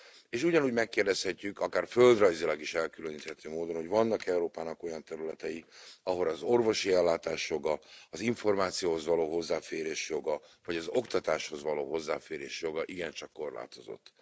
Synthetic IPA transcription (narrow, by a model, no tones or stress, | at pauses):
eːʃuɟɒnuːɟmɛkːeːrdɛshɛcːykɒkaːrføld̪rɒjzilɒɡiʃɛlkyløniːt̪hɛt̪øːmoːd̪o̞nhoɟvɒnːɒkɛuɾoːpaːnɒko̞jɒnt̪ɛɾylɛt̪ɛjiɒɦo̞lɒzo̞rvo̞ʃiɛlːaːt̪aːʃjo̞ɡɒɒziɱfo̞rmaːt̪sijoːɦo̞zvɒloːɦo̞zːaːfeːɾeːʃjo̞ɡɒvɒɟɒzo̞kt̪ɒt̪aːʃho̞zvɒlo̰ːɦo̞zːaːfeːɾḛːʃjo̞ɡɒʔiɡɛnt͡ʃɒkːo̞rla̰ːt̪o̞zo̞̰t̪ː